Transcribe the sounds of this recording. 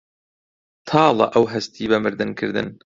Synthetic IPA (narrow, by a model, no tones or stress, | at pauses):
t̪ʰɑːlˠɐ̰ʔɐwɦɐst̪iːbɐmɨɾd̪ɨnkʰɨɾd̪ɨ̰n